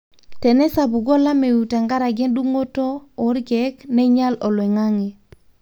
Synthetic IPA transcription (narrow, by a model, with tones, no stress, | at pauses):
tɛ˨nɛ˦sa˨bu˨ɡo˦la˦me˨wu˨ta˨ŋɡa˦ɾa˨ɡɛ˦ndu˦ŋo˦toː˦˨˦ɾɡɛ˦kne˦ɲa˦lɔ˨lwe˨ŋa˦ŋe˨